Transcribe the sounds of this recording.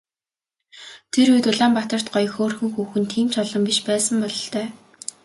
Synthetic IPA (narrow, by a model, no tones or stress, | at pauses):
t̪ʰeɾujt̪ʊɮaːmpat̪ə̆r̥t̪̚ɢɔjxoːrxuxuːxɘ̆nt̪ʰiːm̥t͡ɕʰɔɮɞ̆mpiʃpæːsə̆mpɔɮɞ̆ɬt̪œː